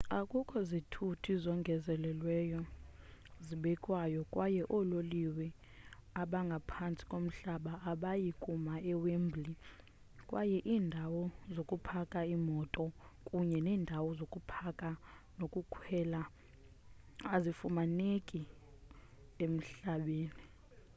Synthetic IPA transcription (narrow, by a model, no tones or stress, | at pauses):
akʼukʼʰɔzitʰutʰizɔŋɡʱɛzɛlɛlwɛjɔ | ziɓɛkʼwajɔkʼwajɛʔɔloliwɛ | aɓaŋɡʱapʰant͡sʼi̥kʼom̩ɬaɓaːɓajikʼumaɛwembli | kʼwajɛʔiːndʱawɔzokʼupʰakʼaimɔtʼɔkʼuɲɛnɛːndʱawɔzokʼupʰakʼa | nokʼukʰwɛla | azifumanekʼi | em̩ɬaɓeːni